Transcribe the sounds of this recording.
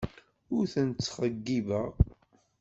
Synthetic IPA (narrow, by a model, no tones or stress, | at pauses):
ʊɾθənt͡sːχəɡːivæ